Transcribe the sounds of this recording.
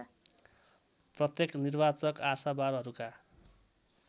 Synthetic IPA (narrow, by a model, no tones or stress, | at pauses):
prʌt̪jeknirbat͡sʌkasabaɾɦʌɾuka